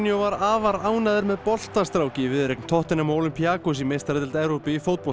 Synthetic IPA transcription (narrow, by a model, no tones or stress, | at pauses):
njowvaɾaːvaɾaːwnaðɪɾmɛðpɔl̥t̪ast̪ɾawcɪvɪðɾekn̥t̪ʰɔht̪ɪnamoːlʏmpiaːkus̬imejst̪aɾɛt̪ɪlt̪ɛvɾowpɪifowt̪̚pɔl